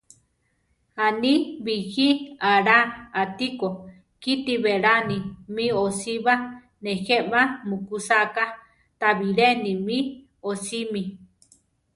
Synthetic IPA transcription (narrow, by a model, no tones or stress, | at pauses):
aniβihiaɾaat̪iko | kit̪iβeɾanimĩosiβa | nehemamukusaka | t̪aβiɾenimĩ | osimi